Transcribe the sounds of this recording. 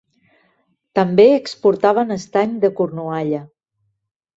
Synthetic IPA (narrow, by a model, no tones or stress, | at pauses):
t̪əmbeəkspuɾt̪aβ̞ənəst̪aɲd̪əkurnuaʎə